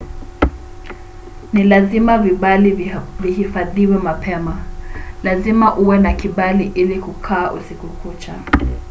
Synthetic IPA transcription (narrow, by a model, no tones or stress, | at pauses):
nilazimaviɓalivihifaðiwɛmapʰɛmalazimaʔuwɛnakiɓaliʔilikukʰaːʔṵsikukut͡ʃa